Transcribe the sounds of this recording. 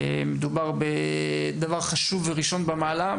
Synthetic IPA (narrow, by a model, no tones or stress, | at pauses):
e | med̪ubaʁbe | d̪avaʁχaʃuveʁiʃo̞nbamaːla